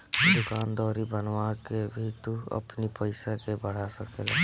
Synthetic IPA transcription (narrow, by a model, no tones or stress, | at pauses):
d̪ʊkaːnd̪ɔːɾibənwakebʱit̪uɐ̰pnipəɪsakebəɽ̤asəkeːlḛ